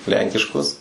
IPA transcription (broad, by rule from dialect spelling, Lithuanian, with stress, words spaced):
ˈlʲɛŋʲkʲɪʃkʊs